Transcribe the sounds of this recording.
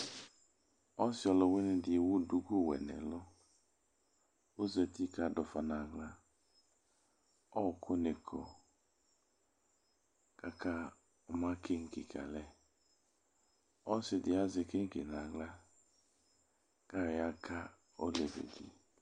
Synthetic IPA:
ɔ˦sɪ˨˦ɔ˨lɔ˨we˦nɪ˦dɪ˨wʊ˦du˨ɡu˦˨wɛ̰˨nɛ̰˨lʊ˦ | o˦zɛ˨ti˦ka˨dɔ˨fa˨na˨ɡla˦ | ɔ˦˨kʰo˦ne˨kʰɔ˨ | ka˦ka˦ | ɔ˨ma˦ke˦ŋ̩˦˨kḭ˨ka̰˨lɛ˦ | ɔ˦sɪ˨dɪ˨a˦zɪ˨ke˦ŋ̩˦ki˨na˨ɡla˦ | ka˦˨ja˦ka˦ | o˦le˨vḛ˨dḭ˨

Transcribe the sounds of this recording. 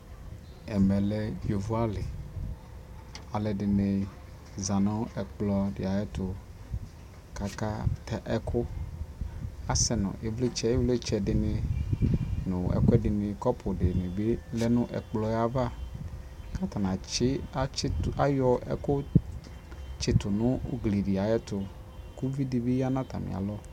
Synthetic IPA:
ɛ˨mɛ˨lɛ˦jo˨vo˦a˦lɪ˨ | a˨lɛ˨dɪ˨ne˨ | za˨nɔ̃˦ɛ˨k͡plɔ˦ɖɪ̰˨a˨jɛ˦t̪ʊ˨ | ka˨ka˦t̪ʰɛ˨ʔɛ˦kʰʊ˦ | a˦sɛ˨nʊ̰̃˨ʔe˦vle˦t͡ʃɛ˦e˦vle˦t͡ʃɛ˨dɪ˨nɪ̃˨ | nʊ̃˨ɛ̰˨kʊ˦ɛ˦dɪ˨nɪ̃˨kɔ˦pʰʊ˨dɪ˨mɪ˨be˦lɛ˦nʊ̃˦ʔɛ̰˨k͡plɔ˨ja˦va˦ | ka˦t̪a˨nã˨t͡ʃɪ˦a˦a˦jɔ˦ɛ̰˦kʊ˦ | t͡ʃɪ˨t̪ʊ˨nʊ̃˦ɡli˨dɪ˨a˨jɛ˦t̪ʊ˨ | ku˦vi˦di˨be˦ja˦nã˦t̪a̰˨mɪ̰˨a̰˨lɔ˦

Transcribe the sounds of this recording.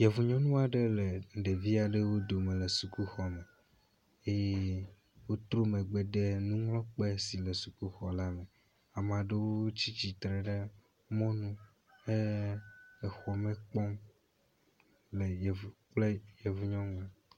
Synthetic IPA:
jɛ˨vu˨ɲɔ̃˦nũ˦a˨ɖe˦le˨ŋ̩˨ɖe˨vi˦a˨ɖe˦wo˦d̪o˨mẽ˨le˨su˨ku˦xɔ˨me˨ | e˦je˦ | wo˦t̪ɾo˦me˨ɡ͡be˨ɖe˦nũ˦ŋlɔ̃˦k͡pe˦si˨le˨su˨ku˦xɔ˨la˦me˨ | a˨m˨ã˨ɖe˦wo˦o˦t͡ɕi˦t͡ɕi˨t̪ɾe˨ɖe˦ | mɔ̃˦nũ˦ | e˦ | e˨xɔ˨me˦k͡pɔ˦m | le˨je˨vu˨k͡ple˦jɛ˨vu˨ɲɔ̃˦nũ˦a˨

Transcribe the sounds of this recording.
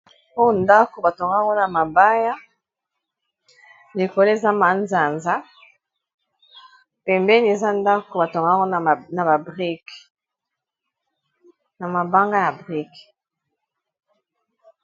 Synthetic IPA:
o˦˨nda˦ko˨ba˨to˨ŋɡa˦ŋɡo˦na˨ma˨ba˦ja˦ | le˨ko˨lo˦e˨za˦ma˨nza˨nza˦ | pɛ˨mbɛ˦ni˨e˨za˦nda˦ko˨ba˨to˨ŋɡa˦ŋɡo˦˨na˨ba˨bʁi˦k | na˨ma˨ba˦ŋɡa˦ja˨bʁi˦k

